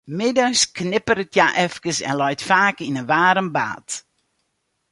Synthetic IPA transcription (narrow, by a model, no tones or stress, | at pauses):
mɪdəsknɪpəɾətʰjaʔɛfkəsɛ̰nlɔjtfaːkinənʋaːɾəmba̰ːt